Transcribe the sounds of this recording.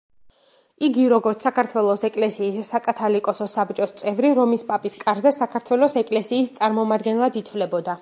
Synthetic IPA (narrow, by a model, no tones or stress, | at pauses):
iɡiɾɔɡɔɾt̪ssakʰaɾt̪ʰwɛlˠɔsɛkʼlɛsiːsːakʼat̪ʰalikʼɔsɔsabt͡ʃʼɔst̪sʼɛvɾiɾɔmispʼapʼiskʼaɾzɛsakʰaɾt̪ʰwɛlˠɔsɛkʼlɛsiːst̪sʼaɾmɔmad̪ɡɛnlˠad̪it̪ʰvlɛbɔd̪a